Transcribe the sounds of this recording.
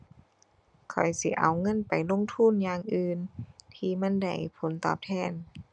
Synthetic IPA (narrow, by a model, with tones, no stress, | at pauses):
kʰɔ̰˨˩jsi˧˦ʔa̰˨wŋɤ˧˥˨npa˨˩jlo˧˥˨ŋt̪ʰu˧˥˨njaː˧ŋʔɯː˧nt̪ʰiː˧ma˧˥˨nda˧˩jpʰo˨˦nt̪ɔ̰ː˧˩p̚t̪ʰɛː˧˥˨n